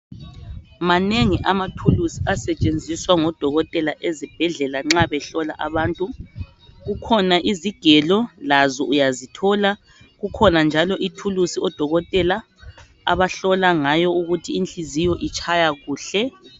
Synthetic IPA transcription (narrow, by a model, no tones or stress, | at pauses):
maneŋiʔamatʰulusi̥asɛt͡ʃʼend͡zʱiswaŋɔd̥ʱɔɣɔtʼɛlaʔezib̥ʱɛɮɛlaŋ͡ǁaβɛɬɔlaʔaβaːntʼu | ɣukʰɔnaʔiziɡ̥ʱɛlɔlazɔʔujazitʰɔla | ɣukʰɔnand͡ʒʱalɔʔitʰulusiɔd̥ʱɔɣɔtʼɛla | a̰βaɬɔlaŋajɔuɣutʰiːnt͡ɬʼizijɔʔit͡ʃʰajaɣuːɬɛ